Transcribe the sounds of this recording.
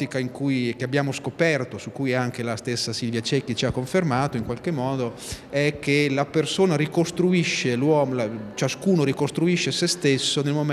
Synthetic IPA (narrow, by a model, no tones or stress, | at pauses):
t̪ikaiŋkujk̟eabːjaːmoskopɛrt̪osukːujɛaŋkelast̪esːasilvjat͡ʃɛkːit͡ʃiakːoɱfermaːt̪oiŋkwalk̟emːɔːd̪o | ɛk̟ːelapersoːnaɾikost̪ɾuiʃːelwɔːmolat͡ʃaskuːnoɾikost̪ɾuiʃːesest̪esːonelmom